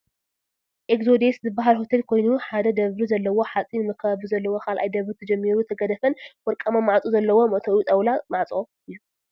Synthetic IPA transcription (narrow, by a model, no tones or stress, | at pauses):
ʔekzo̞d̪e̞szɨbːaɦalho̞t̪ʰelkʰo̞jnuħad̪ɐd̪ɐβɾizɐlːɐwo̞ħat͡sʼinɨmɐkʰːɐaβuzɐlːɐwo̞kʰalʔa̰jd̪ɐβɾit̪ʰɐd͡ʒɛmːiɾut̪ʰɐɡɐd̪ɐfɐnwɔɾkʼamamaʕat͡sʼuzɐlːɐwo̞mɐʔt̪ʰɐʔwut̪ʼɐwlamaʕt͡sʼo | ɨjːu